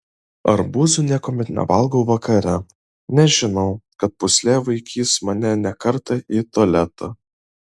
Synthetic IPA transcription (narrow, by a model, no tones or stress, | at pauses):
ɐɾbuːzʲʊnʲiɛkoːmʲɛt̪nʲɛ̰ʋɐlˠɡɐʊʋɐkʰɐɾʲɛ | nʲɛʒʲɪnɒʊkɐt̪̚pʊsʲlʲeːʋɐɪkʲʰiːsmɐnʲɛnʲɛkɐɾt̪ɐʔiːt̪ɔːlʲæt̪ʰɐ